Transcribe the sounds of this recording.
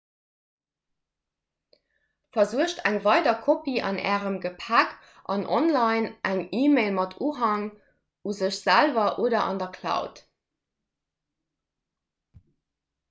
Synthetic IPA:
fɐzuəʃtʰæŋvɑɪdɐkʰopiʔɑ̰nʔæ̰ːʁəmɡəpʰæk | ʔɑnʔɔ̰nlɑɪnʔæŋiːmeɪlmɑtʰuːɦɑŋ | uzəɕz̥ælvɐʔoːdɐʔɑ̰ndɐkʰlɑ̰ʊt

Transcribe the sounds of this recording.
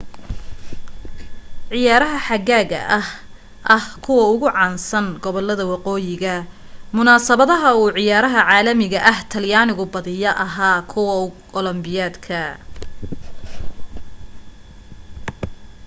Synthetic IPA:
ʕɪjaːɾɐɦɐħɑɣaːɣɐ̰ʔɐh | ʔɐhkʰʊwɐʊɣʊʕɑːnsɐnɡɔβɔlɐðɐwɑqɔːjɪɣɐ | mʊnaːsɐβɐðɐɦɐuːʕɪjaːɾɐɦɐʕaːlɐmɪɣɐʔɐht̪ʰɐljaːnɪɣʊbɐðɪjɐʔɐɦaːkʰʊwɐkɔlɔmbɪjaːd̪kʰɐ

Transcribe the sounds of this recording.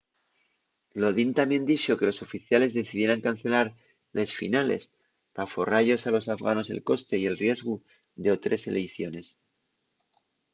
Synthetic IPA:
lo̞ðint̪amje̞nd̪it͡ʃoke̞lo̞so̞fiθjale̞zðe̞θiðje̞ɾaŋkanθe̞laɾ | le̞sfḭnale̞̰s | pafo̞raʝo̞salo̞safɣano̞se̞̰lko̞st̪e̞ie̞lrje̞zɣu | ðe̞o̞t̪ɾe̞se̞lejθjo̞ne̞s

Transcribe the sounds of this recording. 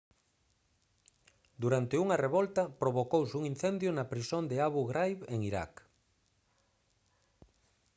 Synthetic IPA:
d̪uɾant̪ɪuŋɐreβɔlt̪ɐpɾoβokowsuŋin̟θɛnd̪jʊnɐpɾisond̪ɪaβuɣɾajβeŋiɾa̰k

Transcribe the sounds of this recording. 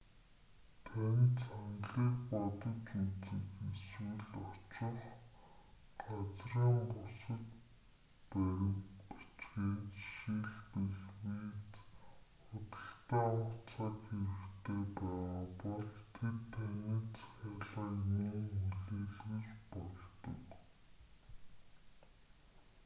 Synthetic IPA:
t̪ʰænʲt͡sanɮiːkpɔt̪ə̆t͡ɕut͡siːkiswɘ̆ɮɔt͡ɕɪ̆r | ɢat͡sriːmpusə̆t̪ | pæɾʲɪ̆mpi̥t͡ɕɡeːt̪ʃiɮpeɮwiːt͡sχʊt̪ə̆ɬt̪aːʊt͡sʰakxeɾɘ̆kt̪ʰeːpæːʁʁapɔɮt̪ʰet̪ʰːæniːt͡sʰaːɮʁaːkmʊːŋuɮeːɮɣut͡ɕpɔɮt̪ɞ̰̆k

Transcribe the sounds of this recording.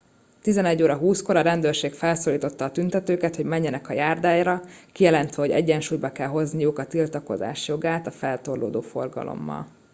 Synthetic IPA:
t̪izɛnɛɟːoːɾɒɦuːsko̞ɾɒɾɛnd̪øːrʃeːkfɛlsoːliːt̪o̞t̪ːɒːt̪ynt̪ɛt̪øːkɛt̪ho̞ɟmɛɲːɛnɛkɒjaːrd̪aːjɾɒkijɛlɛnt̪ʋɛɦo̞ɟɛ̰ɟːɛnʃuːjbɒkɛlɦo̞znijukɒt̪ilt̪ɒko̞̰za̰ːʃjo̞ɡaːt̪ɒfɛlt̪o̞rlo̰ːd̪oːfo̞rɡɒ̰lʔo̰mːɒ̰l

